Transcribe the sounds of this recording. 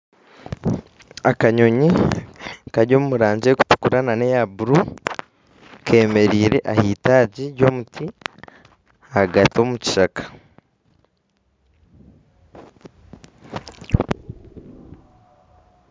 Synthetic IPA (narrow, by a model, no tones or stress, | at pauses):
akaɲo̞ɲi | kaɾɟo̞ːmumuɾaːɲɟeku̥tu̥kuɾanane̞jabuɾu | kʰe̞ːme̞ɾiːɾe̞ʔahiːtaːɟiɾjo̞ːmutʰi | aɡato̞ːmuci̥ʃakḁ